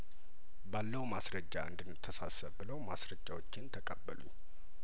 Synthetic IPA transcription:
balːəumasɾəd͡ʒːa̰ʔɨ̰nd̪ɨnːɨt̪ʰːəsasəβbɨləwmasɾəd͡ʒːawot͡ʃːɪnt̪ʰəkʼəbːə̰lṵɲː

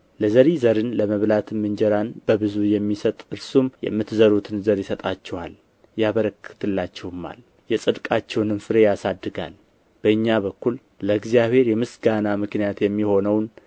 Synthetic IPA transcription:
ləzəɾizəɾɨnləməβlat̪ʰɨmɨɲd͡ʒɛɾanbəβɨzujɛmːisət̪ʼɨɾsumjɛ̰mːɨt̪zəɾut̪ʰɨnzəɾjɪsət̪ʼat͡ʃːɛwa̰l | jaβəɾəkʰːɨ̥t̪ʰɨlːat͡ʃːɛwɨmːa̰l | jɛsʼɨd̪kʼat͡ʃːɛwnɨnfɨɾe̞jasad̪ːɨɡa̰l | b̥əɨɲːaβəkːul | ləɨɡzijaβhe̞ɾjɛmɨsɡanamɨknijat̪jɛmːiho̞nəwn

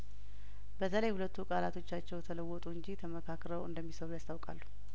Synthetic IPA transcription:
bət̪ʰələjhulət̪ːukʼalat̪ʰo̞t͡ʃːat͡ʃːɛwt̪ʰələwːɔt̪ʼuɨnɲd͡ʒit̪ʰəməkʰakɾəwɨ̰nd̪əmːisəɾujast̪ʰawkʼa̰lːu̥

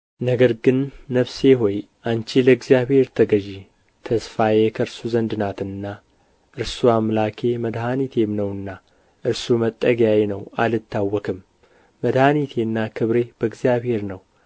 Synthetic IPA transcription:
nəɡəɾɡɨnːəβse̞ɦoj | ʔant͡ʃeləɨɡzjaβhe̞ɾt̪ʰəɡəʒe | t̪ʰəsfajekʰəɾsuzənd̪ɨnat̪ɨnːa | ʔɨɾsuamlakʰe̞məd̪ɦanit̪ʰe̞mnəwɨnːa | ʔɨɾsumət̪ʼːəɡjajenəwalɨt̪ʰːawːɔkʰɨmː | əd̪hanit̪ʰe̞nːakʰɨβɾe̞b̥əɨɡzijaβhe̞ɾnəw

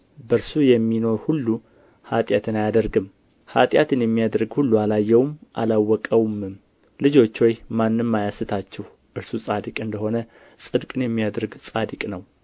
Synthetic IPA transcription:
bəɾsujɛmːino̞ɾhulːu | hat̪ʼjat̪ʰɨnajad̪əɾɡɨm | ha̰t̪ʼjat̪ɨnjɛmːijad̪ɾɨɡhulːualajːɛwmʔa̰lawːɔkʼəwmɨm | lɨd͡ʒo̞t͡ʃːwojmanːɨmːajasɨt̪ʰat͡ʃːɛh | ʔɨɾsusʼad̪ɨkʼɨnd̪əho̞nə | sʼɨd̪kʼɨnjɛmːijad̪ɾɨɡsʼad̪ɨkʼnəw

